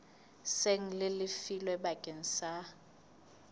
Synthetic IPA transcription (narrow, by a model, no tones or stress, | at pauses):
seŋ̩lɪlɪfilwɛbakʼeŋ̩sa